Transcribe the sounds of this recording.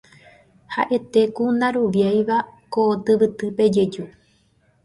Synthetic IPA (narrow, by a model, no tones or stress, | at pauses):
ha̰ʔe̞t̪e̞kunãɾuʋjajʋakot̪ɨʋɨt̪ɨpe̞d͡ʒe̞d͡ʒu